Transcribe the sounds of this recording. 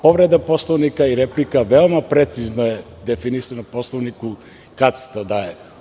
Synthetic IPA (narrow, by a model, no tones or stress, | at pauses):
pɔvɾɛd̪apɔslˠɔvnikaiɾɛplikavɛlˠmapɾɛt̪siznoɛ | d̪ɛfinisanapɔslˠɔvniku | kat̪si̥t̪ad̪aɛ